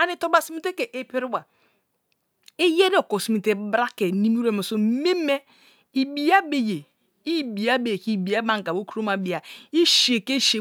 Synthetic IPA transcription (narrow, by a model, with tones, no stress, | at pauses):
a˨ne˨to˦ba˨si˦mi˦te˦ke˨ʔe˦pi˦ɾu˦wa˨ | e˦je˦ɾi˦o˨ko˨si˨mi˨te˨˦bɾa˦ke˨ni˦m˦ɾe˨mo˨so˨me˦me˦ | i˨bi˨ja˦be˨je˨ | i˦bi˨a˦be˨ki˦˨bi˨a˦ba˦ŋ˨ka˨bo˦ku˦ɾo˦ma˨bi˨a˨i˦ʃe˨ke˦ʃe˨